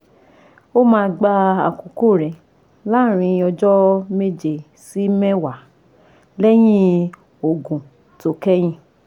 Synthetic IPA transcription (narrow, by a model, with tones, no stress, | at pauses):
o˦mãː˦˧ɡ͡ba˧a̰˨ko˨ko˦˨ɾɛ˨ | la˦˨ɾ̃ĩ˧ɔ˧d͡ʒɔ˦me˦d͡ʒe˨ | si˨˦mɛ˦wa˨ | lɛ˦j̃ĩ˦ | o˨ɡũ˨ | to˨kɛ˦j̃ĩ˧˦